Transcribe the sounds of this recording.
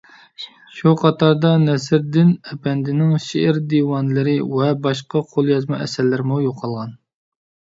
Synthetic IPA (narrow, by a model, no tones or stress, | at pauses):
ʃuqʰɑt̪ʰɑɾd̪ɑnɛsɪɾd̪ɪnɛpʰɛnd̪ɪnɪŋʃeʔɪɾd̪iwɑnlɨɾɪwɛbɑʃqɑqʰolˠjɑzmɑɛsælːɪɾɪmujoqʰːɑlˠʁɑn